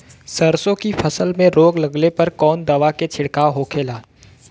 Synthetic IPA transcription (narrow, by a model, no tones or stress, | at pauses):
səɾsõkipʰəsəlmẽɾoːɡlɐɡlepɐɾkɔːnd̪ɐʋaket͡ʃʰɪɽkaːwɦoːkʰeːlaː